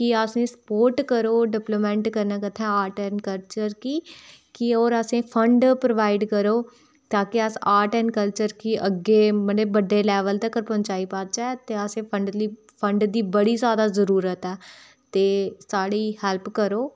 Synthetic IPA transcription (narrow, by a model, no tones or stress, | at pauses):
kɪəsẽːsə̥poːɾʈkəɾoːɖɪplomɛ̃ːɳʈkəɾnaːkət̪ʰːɛ̃ːaːɾʈɛːnkəlt͡ʃəɾkiːkɪoːɾəsẽːpʰəɳɖpɾəʋaːɪɖkəɾoː | t̪ãːkɪəsaːɾʈɛ̃ːnkəlt͡ʃəɾkiʔəɡeːməɽeːbəɖːeːlɛːʋəlt̪eːkəɾpə̃ɲt͡ʃaːiːpaːt͡ʃaɛt̪eːəsẽːpʰəɳɖli | pʰəɳɖd̪iːbəɽiːzjaːd̪aːzəɾuːɾət̪ɛː | t̪eːsaːɽiːhɛlpkəɾoː